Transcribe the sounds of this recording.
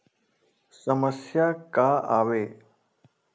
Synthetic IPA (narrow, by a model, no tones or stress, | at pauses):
səməsjaːkaːaːʋeː